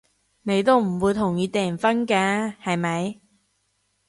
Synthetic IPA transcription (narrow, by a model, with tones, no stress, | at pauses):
ne˨˧jt̪o˥wm̩˨˩wuː˨˧jt̪ʰʊ˨˩ŋjiː˨˧˥t̪ɛː˨nfɐ˥nkaː˧˥hɐ˨jmɐ˨˧˥j